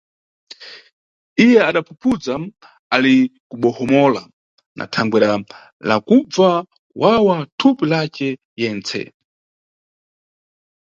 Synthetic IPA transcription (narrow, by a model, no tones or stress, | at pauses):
ijɛaɗapʰupʰud͡za | alikuɓɔhɔmɔla | nʔa̰tʰaŋɡwɛɾa | la̰kub͡va | wʔawatʰupilat͡ʃɛ | jɛnt͡sʰɛ̰